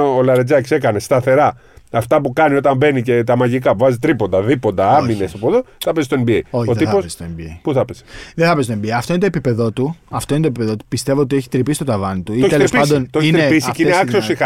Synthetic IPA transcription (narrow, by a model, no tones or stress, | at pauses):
olɐɾed͡ʒɐksekɐne̞st̪ɐθe̞ɾɐ | ɐft̪ɐpukɐnio̞t̪ɐmbe̞nicet̪ɐmɐʝikɐpuvɐzit̪ɾipo̞nd̪ɐðipo̞nd̪ɐɐmmine̞sɐpoðoθɐpesest̪oembieoçot̪iposst̪oembiepuθɐpese̥ðeθɐpest̪oebieɐft̪o̞inet̪opipe̞ðo̞t̪uɐft̪oint̪opipe̞ðo̞t̪u̥pist̪e̞voot̪ieçi̥t̪ɾipist̪ot̪ɐvɐnit̪uiet̪eleɾsɐnd̪ont̪oeinɾeiisiineɐkssiosixɐ